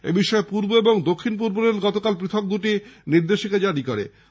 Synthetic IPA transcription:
ḛbiʃɔepuɾboeboŋd̪okʰːinpuɾboneɾɡɔt̪okalpɾit̪ʰok̚d̪uʈiniɾd̪eʃiked͡ʑaɽikoɾḛ

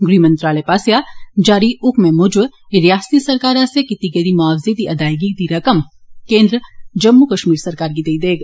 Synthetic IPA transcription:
ɡɾimɐ̃nt̪ɾaːlepaːsjad͡ʒaːɾiʊkmẽmʊd͡ʒʋɾjaːst̪isɐɾkaːɾasekit̪iɡeɾimaːʋzet̪iʔɐd̪aːjɡit̪iɾɐkəmkẽːnd̪ɾəd͡ʒɐmːukɐʃmiːɾsɐɾkaːɾkid̪eid̪eːɡ

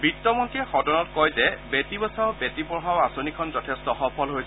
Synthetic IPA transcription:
bitːɔmɔntiɛxɔdɔnɔtkɔjzɛbetibɔsaʊbetibɔɦaʊasonikʰɔnzɔtʰestɔxɔpʰɔlɦojs

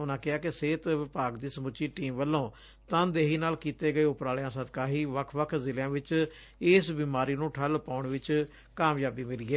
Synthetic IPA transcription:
ʊnãːkɪaːkɪseːt̪ʋɪpaːɡd̪iːsəmʊt͡ʃːiːʈiːmʋəlːõː | t̪ãːd̪eːɦiːnaːlkiːt̪eːɡəeːʊpɾaːljãːsəd̪kaːɦiːʋəkʰʋəkʰzɪljãːʋɪt͡ʃ | ɪsbiːmaːɾiːnũːʈʰəlpaːʊɳʋɪt͡ʃ | kaːmjaːbiːmɪliːeː

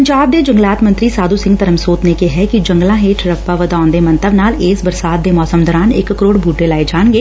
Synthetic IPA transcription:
pəɲd͡ʒaːb̚d̪eːd͡ʒə̃ŋɡlaːt̪mə̃nt̪ɾiːsaːd̪uːsɪ̃ŋɡt̪əɾəmsoːt̪nekeɦɛkid͡ʒəŋɡlãːɦeːʈʰɾəkpaːʋəd̪aːnd̪eːmə̃nt̪əbnaːleːsbəɾsaːt̪̚d̪eːmɔːsəmd̪ɔɾaːnɪkːəɾoːɽbʱuːʈelaːed͡ʒaːnɡeː

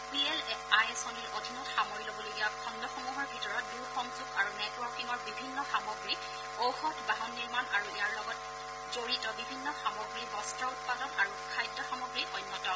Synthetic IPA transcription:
piɛlajɛsɔniɹodʱinɔtxamɔɹilobɔloɡijakʰɔndʱɔxɔmuɦɔɹbʱitɔɹɔt̚duɹxɔmzukaɹunɛtwɔɹkiŋɔɹbibʱinːɔxamɔɡɹi | owxɔtʰbaɦɔnːiɹmanaɹuejaɹlɔɡɔt | zoɹitɔbibʱinːɔxamɔɡɹibɔstɹɔut̚padɔnaɹukʰajdɔxamɔɡɹiɔnːɔtɔ

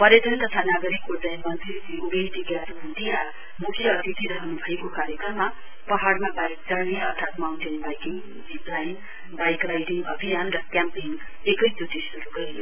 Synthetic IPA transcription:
pʌɾed̪ʌnt̪ʌt̪ʰanaɡʌɾikːod͡zajmʌnt̪rit̪iubejʈ̪iɡjat̪uunt̪ija | mukʰijʌːt̪it̪iɾʌɦʌnubʱʌekokaɾjekrʌmːa | pʌɦaɽmabaɾik̚t͡sʌniʌrt̪ʰat̪mawnʈenbajkiŋ | d͡ziplajn | bajkrajɖiŋʌ̰bʱijanrʌkjampiŋ | ekʌjd͡zut̪isuɾuɡʌjjo

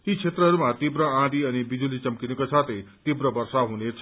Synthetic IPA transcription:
it͡sʰet̪rʌɦʌɾumat̪ibɾʌãd̪iʌnibid͡zulit͡sʌmkinikosat̪ʰet̪ibɾʌbʌrsaɦunet͡sʰ

